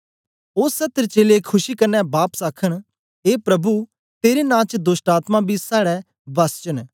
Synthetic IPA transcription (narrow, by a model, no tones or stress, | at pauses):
oːsɐt̪əɾt͡ʃeːlekʰʊʃikɐɾnːɛbaːpsaːkʰəɽ̃ | eːpɾɐbu | t̪eːɾenãːt͡ʃd̪ʊsʈaːt̪mãbʱisaːɽɛ | bɐst͡ʃən